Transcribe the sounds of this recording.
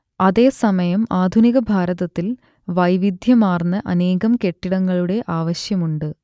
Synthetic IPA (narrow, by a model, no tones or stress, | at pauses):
ɐðe̞ːsɐmɐjɐmaːd̪ʱuniɣɐbʱaːɾɐðɐt̪ːil | ʋɐjʋid̪ʱjɐmaːrnːɐʔɐne̞ːɣɐmke̞ʈːiɽɐŋːɐɭuɽe̞ʔaːʋɐɕjɐmuɳɖɨ